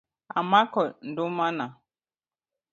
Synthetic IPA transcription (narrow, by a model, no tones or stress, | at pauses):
a̰makɔn̩dʊmana